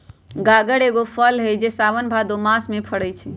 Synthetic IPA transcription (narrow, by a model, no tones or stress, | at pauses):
ɡaɡəɽeɡopʰəlɦəd͡ʒesaʋənbʱad̪omasmẽpʰəɽəjt͡ʃʰɛ